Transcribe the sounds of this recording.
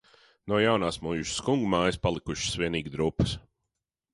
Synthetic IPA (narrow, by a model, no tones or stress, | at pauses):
nɔɔjawnaːsmujuʃskuŋɡumaːjspalˠikuʃɪ̥svʲiɛniːɡd̪ɾupɨ̥s